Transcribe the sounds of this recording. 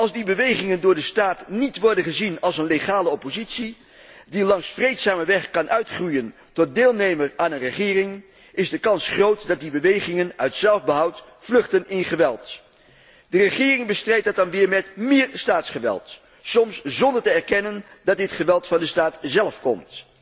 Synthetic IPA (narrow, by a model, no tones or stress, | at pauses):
ɑlˠzdibəʋejχɪŋəndʊːɹdəstaːtnitʋɔɹdənχəzinɑlˠsənleχaːləɔpozitsi | dilɑŋsfrejtsaːməʋɛχkɑnʔœɥtχrujən | tɔt̚dɪːlˠnejməɹaːnənrəχɪːrɪŋ | ɪzdəkɑnsχrowtdɑt̚dibəʋejχɪŋənœɥtsɛlˠvbəɦʌwt | flɵχtənɪnχəʋɛlˠt | dərəχɪːrɪŋbəstrɛjtdɑt̚dɑnʋɪːɹmɛtmɪːɹstaːtsχəʋɛ̰lˠt | sɔmszɔndəɹtəɛɹkɛnən | dɑt̚dɪtχəʋɛlˠtfɑndəstaːtzɛlˠfkɔ̰mt